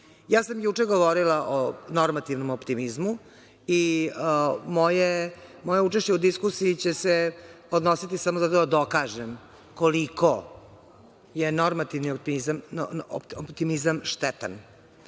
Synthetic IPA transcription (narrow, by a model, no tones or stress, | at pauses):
jaːsamjut͡ʂeɡoʋoɾilaʔonoɾmat̪iʋnomopt̪imizmu | i | mojemojeut͡ʂeʃt͡ɕeud̪iskusiːt͡ɕese | od̪nosit̪isamo̞zat̪od̪ad̪o̞kaʒem | koliko | jenoɾmat̪iʋnioizamo̰opt̪imizamʃt̪ɛt̪a̰n